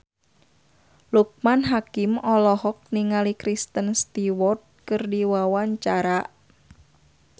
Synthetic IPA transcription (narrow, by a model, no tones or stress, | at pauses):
luk̚manɦakimɔlɔɦɔk̚niŋalikɾist̪ənst̪iwɔrt̪̚kɨrdiwawaɲt͡ʃaɾaʔ